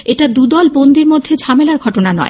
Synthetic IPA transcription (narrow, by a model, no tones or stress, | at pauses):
eʈad̪ud̪ɔlbond̪iɾmod̪ʱːed͡ʑʱamelaɾɡʱɔʈonanɔ̰e